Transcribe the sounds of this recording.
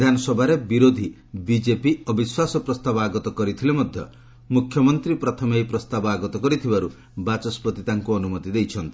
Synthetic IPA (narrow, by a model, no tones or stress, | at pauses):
d̪ʱanɔsɔbʱaɾebiɾod̪ʱi | bid͡ʒepiɔbiswasɔpɾɔst̪abɔaɡɔt̪ɔkɔɾit̪ʰilemɔd̪ʱjɔ | mukʰjɔmɔnt̪ɾipɾɔt̪ʰɔmejpɾɔst̪abɔaɡɔt̪ɔkɔɾit̪ʰibaɾu | bat͡ʃɔspɾɔt̪it̪aŋkuɔnumɔt̪id̪ejt͡ʃʰɔnt̪i̥